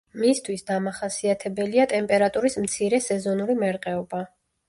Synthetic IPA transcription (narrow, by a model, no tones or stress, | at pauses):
mist̪ʰwisd̪amaχasiat̪ʰɛbɛliat̪ʼɛmpʼɛɾat̪ʼuɾismt̪sʰiɾɛsɛzɔnuɾimɛɾqʼɛɔba